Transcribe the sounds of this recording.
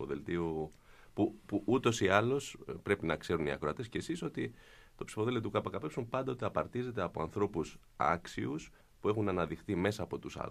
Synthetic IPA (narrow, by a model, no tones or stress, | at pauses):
o̰ðḛlt̪iu | pupuʔut̪o̞siɐlo̞spɾe̞pinɐkse̞ɾuniɐ̰kɾoɐt̪escesiso̞t̪i | t̪o̞psi̥fo̞ðelt̪it̪ukɐpɐkɐpe̞psumpɐnd̪ɐot̪iɐpɐɾt̪ize̞t̪e̞ɐpo̞ɐ̰nθɾo̞pus | ɐ̰ksius | pue̞xunɐnɐðixθime̞sɐːpo̞t̪usɐ̰